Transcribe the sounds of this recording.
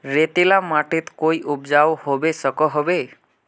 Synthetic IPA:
ɾet̪ilamaʈit̪kojʔupd͡ʒawhobesəkɔɦobe

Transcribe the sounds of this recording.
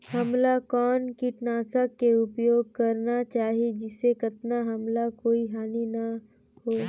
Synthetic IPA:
hɐmlakɔːnkiʈnaːsəkːeʊpjoːɡ̚kɐɾnat͡ʃaːɦied͡ʒɪsekɐt̪naɦɐmlakoːiɦaːninɐ | hoː

